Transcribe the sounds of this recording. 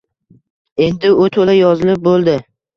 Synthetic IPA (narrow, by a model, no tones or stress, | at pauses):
e̞nd̪ɪʊt̪ʰolajɒzɪlɪp̚bolˠd̪ɪ